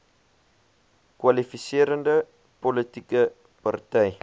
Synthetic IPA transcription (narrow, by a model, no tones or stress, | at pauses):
kwalifisiəɾəndə | politikə | partɛj